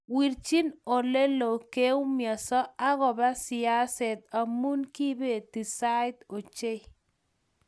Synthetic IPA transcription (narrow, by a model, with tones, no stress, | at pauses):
wi˨ɾt͡ʃi˦no˨le˦lo˨ke˦u˦mjɔ˨sɔ˦a˦ɣɔ˨ba˦sɪ˨a˦sɛ˨t̪a˨mu˦nki˦be˨t̪i˨sa˦ɪ˦t̪o˨t͡ʃe˦j